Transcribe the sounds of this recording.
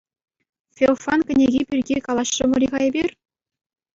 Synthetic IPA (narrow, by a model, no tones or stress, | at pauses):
fʲelˠfɑnkʲɘ̆nʲeɡʲipʲirʲɡʲikɑlˠɑɕrɤ̆mŏɾʲiʁɑebʲirʲ